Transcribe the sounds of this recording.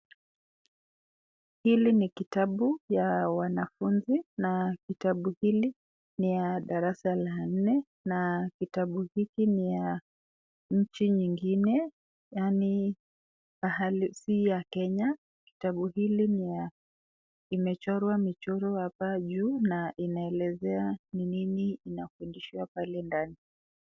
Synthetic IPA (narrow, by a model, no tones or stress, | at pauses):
hilinikitaɓujawanafunzinakitaɓuhili | nijaɗaɾasalan̩nɛ | nakitaɓuhikinija | ɲ̩t͡ʃiɲiŋɡinɛ | jani | mahalisijakɛɲa | ki̥taɓuɦilinija | imɛt͡ʃɔɾwamit͡ʃɔɾɔhapaʄuːnaʔinaɛlɛzɛanininiːnafundiʃiwapalɛndani